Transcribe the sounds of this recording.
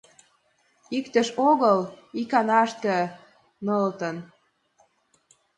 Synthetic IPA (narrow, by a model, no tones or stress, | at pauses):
ikt̪ə̆ʃoɣɤl | ikɑnɑʃt̪ə̆ | nɤlt̪ə̆n